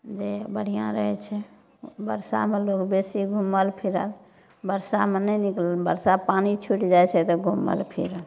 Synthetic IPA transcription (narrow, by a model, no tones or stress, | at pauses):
d͡ʒebəɽ̤ijãɾəɦɛt͡ʃʰɛ | bəɾsa̰melokbesiɡʱuməlpʰiɾəl | bəɾsamenɛniklbə̰ɾsapanit͡ʃʰuʈd͡ʒajt͡ʃʰɛt̪ɔɡʱumə̰lpʰḭɾəl